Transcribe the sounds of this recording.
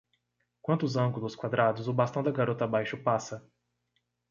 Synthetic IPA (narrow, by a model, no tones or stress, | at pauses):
kwɐ̃nt̪ʊzɐ̃ɡʊlʊskwad̪ɾad̪ʊzʊbast̪ɐ̃w̃d̪ɐɡaɾot̪ɐabajʃʊpasɐ